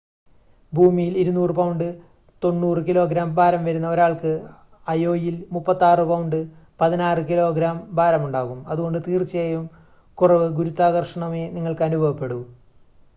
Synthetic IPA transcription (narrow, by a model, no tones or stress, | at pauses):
bʱuːmijiliɾunːuːrɨpɐwɳɖɨ | t̪o̞nːuːrɨkilo̞ːɡɾaːmbaːɾɐmʋɐɾunːɐo̞ɾaːɭkɨ | ɐjo̞ːjilmupːɐt̪ːaːrɨpɐwuɳɖɨpɐðinaːrɨkilo̞ːɡɾaːmbaːɾɐmuɳɖaːɣumɐðuɣo̞ɳɖɨt̪iːrt͡ɕːɐjejum | kurɐʋɨɡuɾut̪ːaːɣɐrʂɐɳɐme̞niŋːɐɭkɐnubʱɐʋɐpːe̞ɽu